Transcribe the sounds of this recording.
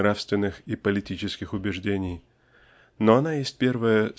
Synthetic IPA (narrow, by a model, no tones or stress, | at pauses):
ɾafst̪vʲɪnːɨxipəlʲɪtʲit͡ɕɪskʲɪxʊbʲɪʐdʲenʲɪj | noɐnajesʲt̚ʲpʲe̞rvəjə